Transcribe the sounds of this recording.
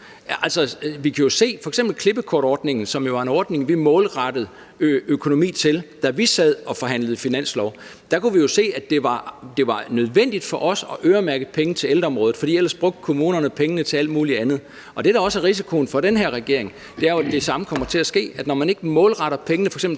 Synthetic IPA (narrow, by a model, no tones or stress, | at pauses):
æl̰sɒʋikʰæjo̝se̝̰ːfɒ̽eɡ̥semb̥l̩kʰle̝b̥əkʰɒ̰ːɾ̥ɒːd̥ne̝ŋn̩sɒ̽mjo̝ʋɑ̈e̝nɒːd̥ne̝ŋʋimɔ̽ːlʁɑd̥əð̩ˠ | økʰo̝no̝mḭːt͡sʰe̝ld̥æʋisɛð̰ˠɒ̽fɒ̽ɦæn̰ləð̞̩ˠfinæn̰slɒʊ | d̥ɑ̈kʰuʋijo̝se̝̰ːæd̥e̝ʋɑ̈d̥e̝ʋɑ̈nøð̞ˠʋen̰d̥id̥fɒ̽ʔɒ̽sɒ̽ʔøːɐmæɐɡ̥əð̩ˠpʰeŋn̩ət͡sʰe̝leld̥ɐɒmʁɔːð̩ˠfɒ̽d̥ḭːel̰ɐsb̥ʁɔ̽ɡ̥̚d̥̚kʰo̝muːnɐnəpʰeŋənət͡sʰe̝æl̰d̥muːliænð̞̩ˠ | ʔɒ̽d̥e̝ɾ̥ɑ̈ɒ̽sæɐʁis̬ikʰo̝ːn̩fɒ̽d̥enɦeɐ̰ʁɛɡ̥e̝ɐe̝ŋ | d̥e̝æɐjo̝æd̥e̝sɑ̈məkʰɒ̽m̰ɐt͡sʰe̝æsɡ̥e̝̰ːæd̥nɒmæne̝ɡ̥əmɔ̽ːlʁɑɾ̥ɐpʰeŋənəfɒ̽ɡsḛbl